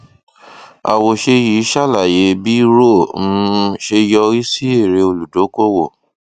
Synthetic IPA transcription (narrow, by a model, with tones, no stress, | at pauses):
a̰˨wo˧ʃe˧ji˨˦ʃa˦˨la˨je˨˦bi˦ɾõ˦˨˧ʃe˧jɔ˧i˦si˦e˦˨ɾe˧o˧lu˨do˨˦ko˦˨wo˦˨